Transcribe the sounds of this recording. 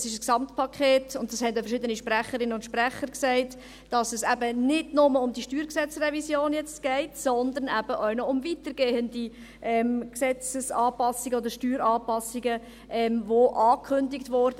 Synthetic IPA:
sɪʃəsksɑmtpʰɑkʰeːtʊntd̥ɑshɛndəfəɾʃɪd̪əniʃpræχəɾɪnəʊntʃprɛχəɾksæɪtː | d̥ɑsɛsæbənɪdnʊməʊmd̪iʃtyːɾksɛt͡srɛvisjoːnjɛt͡stɡ̥ɛɪtsɔnd̪əɾnæb̥əʔœʊnɔʊmvitəɾɡ̥eːəndi | ʔɛmksɛt͡səsɑːpɑsɪɡəɔdəɾʃtyːɾɑːpɑsɪɡə | ʔɛmvoʔɑːkʰχʏndɪktʋɔɾdə

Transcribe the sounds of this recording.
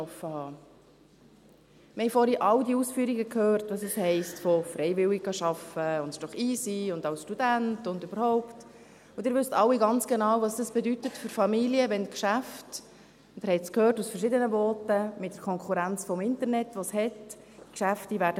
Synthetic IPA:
ɔfːəhɑː | məhɛjfɔɾiʔɑwdiusfyːɾiɡəkʰhøːrtʋɑsɛshɛɪstfɔfɾɛɪvɪlɪɡ̚ɡ̥ɑʃɑfəʊntʃd̥ɔχiːsiʊnd̪ɑʊsʃtud̥æntʊndøbəɾhɔʊpt | ʊdɪɾvʏstɑlːiɡɑnt͡sɡ̥enɑːwvɑsd̥ɑsb̥ɛdytətfʏɾfɑmiliəvɛnkʃæft | d̥̪əɾhɛɪt͡skʰøːrtusfəɾʃɪdənəbɔːtəmɪtd̥əɾkʰɔŋkʰuɾænt͡sfɔmɪntəɾnɛtʋɔshɛt | kʃæftivæːɾdə

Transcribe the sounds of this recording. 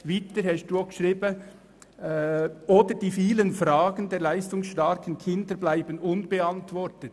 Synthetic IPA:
vɪtəɾhɛʃt̚d̥uːoɡʃʁiːbə | ʔoːdəɾd̥iːfiːlənfɾɑːɡəndeːɾlæɪstʊŋsʃtɑɾkʰənkʰɪnd̪əɾblaɪbənʊnb̥eɑntvɔɾtət

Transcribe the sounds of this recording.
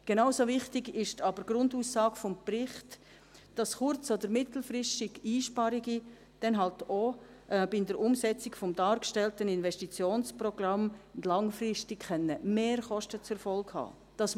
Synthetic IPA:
ɡ̥enaʊsovɪχtɪɡɪʃtɑbəɾɡ̥ɾʊnduːsːɑːɡfɔmprɪχt | d̥ɑsχʊɾt͡sɔdəɾmɪt̪l̩fɾɪʃtɪɡiːʃpɑɾiɡi | d̥ɛnɦɑlto | ʔbɪndəɾʔʊmsɛt͡sɪkfɔmdɑːɾkʃtɛltənɪnvɛstit͡sjoːnsprɔɡ̥rɑmndlɑŋfrɪstɪkχɛnːəmeːɾχɔʃtət͡sɛɾfɔlkhɑ̰ː | d̥ɑs

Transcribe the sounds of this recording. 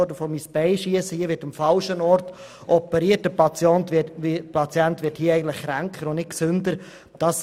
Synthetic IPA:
ɔdəfɔmisb̥ɛɪʃiəsəhiəʋɪtəmfɑlʃənɔɾt | ʔɔpəɾiːət̚dəpɑt͡sjɔntɪpɑt͡sjɛntʋɪthiəɛɪɡən̩tlɪχkɾæŋkχəɾʊnnɪt̚ksʏndəɾ | d̥ɑs

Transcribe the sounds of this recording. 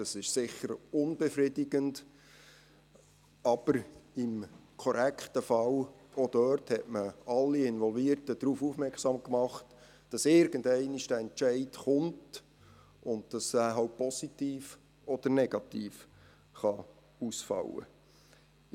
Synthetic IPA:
d̥ɑsɪʃsɪχəɾʊnb̥ɛfridɪɡ̥ənd | ɑb̥əɾɪmkʰɔɾækχtəfɑl | od̥œɾthɛtməɑlːiɪnvɔlviːɾtəd̥ɾuːfuːfmɛɾkχsɑːmkmɑχt | d̥ɑsɪɾɡ̥əndɛɪniʃd̥æɛnt͡ʃɛɪtχʊnt | ʊndd̥ɑsæːɦɑʊpʰɔsitiːf | ɔd̥əɾnɛɡ̥ɑtiːf | χɑ | usfɑ̰wə̰

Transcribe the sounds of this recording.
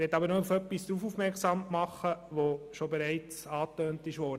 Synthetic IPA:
ɛtːɑbəɾnɔufœpːisd̥ɾuːfuːfmɛɾksɑmmɑχəʋoʃobɛɾæɪt͡sɑːtøːntɪʃʋɔːɾd

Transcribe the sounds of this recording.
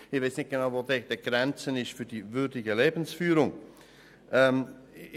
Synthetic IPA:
ɪveɪsnɪçt̚ɡ̥enaʊvoːded̥ɛɡ̥ɾɛnt͡sənɪʃtfyːɐd̥iːvʏɾdɪɡəleːbən̩sfyːɾʊŋ | ʔɛm

